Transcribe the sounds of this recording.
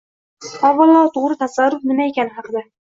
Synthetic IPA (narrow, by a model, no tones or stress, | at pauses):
ɒvɑlˠːɒt̪ʰoʁɾɪt̪ʰasaɾːʊfnɪmaekʲʰanɪhɑqɨd̪a